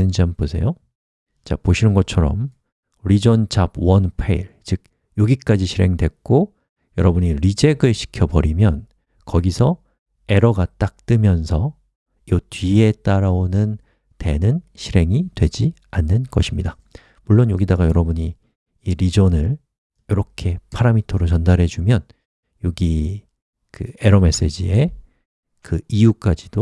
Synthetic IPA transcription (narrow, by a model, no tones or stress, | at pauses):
ɯnd͡ʑiamposʰe̞̰jo | t͡ɕa̰poɕʰinɯnɡʌt͡ɕʰʌɾʌm | ɾid͡ʑʌnt͡ɕabwʌnpʰeiɭt͡ɕɯk̚ | joɡik͈ad͡ʑiɕʰiɾe̞ŋdwe̞k̚k͈o | jʌɾʌbuɲiɾid͡ʑe̞ɡɯɭɕʰi̥kʰjʌbʌɾimjʌn | kʌɡisʰʌ | e̞ɾʌɡat͈ak̚t͈ɯmjʌnsʰʌ | jotɥie̞t͈aɾaonɯn | te̞nɯnɕʰiɾe̞ŋidwe̞d͡ʑi | anːɯnɡʌ̰ɕʰimɲida | muɭːonjoɡidaɡajʌɾʌbuɲi | iɾid͡ʑʌnɯɭ | jʌɾʌkʰe̞pʰaɾamitʰʌɾot͡ɕʌndaɾɦe̞d͡ʑumjʌn | joɡi | kɯe̞ɾʌme̞s͈e̞d͡ʑie̞ | kɯijuk͈ad͡ʑido